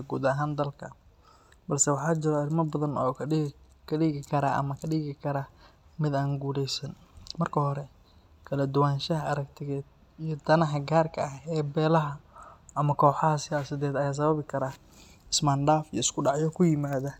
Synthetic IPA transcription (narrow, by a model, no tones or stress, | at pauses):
ɡuːd̪ɐɦaːnd̪ɐlkʰɐ̰ | bɐlsɛwɑħɑːt͡ʃɪɾɔɪlmɐbɐðɐnɔ̰ːkʰ | kʰɐɖiːɣɪkʰɐɾaʔɐ̰mɐkʰɐɖiːɣɪkʰɐɾamɪd̪aːŋɡuːlɛjsɐnmɐrkʰɐhɔɾɛ | kʰɐlɐd̪ʊwaːnʃɐɦɐʔɐɾɐkt̪ʰɪɣɛːd̪ | ijɞd̪ɐnɐɦɐɡaːrkʰɐɐɦɛːbɛːlɐɦɐʔɐmɐkʰɔːħɑɦɐsɪjaːsɪðɛːd̪ɐjaːs̬ɐβɐβɪkʰɐɾaː | ɪsmanɖaːfijɔɪskʰʊɖɑʕjɔkʰʊjɪmaːðɐ